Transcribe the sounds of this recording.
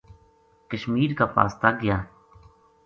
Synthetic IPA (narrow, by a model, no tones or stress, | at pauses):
kəʃmiːɾkaːpa̰ːst̪aːɡɪjaː